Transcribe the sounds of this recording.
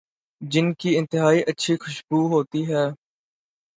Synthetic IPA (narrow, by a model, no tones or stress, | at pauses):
d͡ʒɪnkiːɪ̃nt̪ɪɦaːiːʔətːʃʰixʊʃbuːɦoːt̪iɦɛː